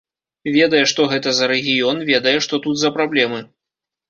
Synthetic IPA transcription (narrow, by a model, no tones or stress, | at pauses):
vʲɛd̪ɐjɛʂt̪ɔɣɛt̪ɐzɐɾɛɣʲijɔnvʲɛd̪ɐjɛʂt̪ɔt̪ut̪zɐpɾablʲɛmɨ